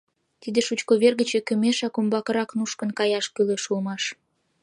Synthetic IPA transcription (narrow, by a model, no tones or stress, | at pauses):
t̪id̪eʃut͡ɕkoβerɣət͡ɕekə̆meʃɑkombɑkə̆ɾɑknuʃkə̆nkɑjɑʃkyleʃulmɑʃ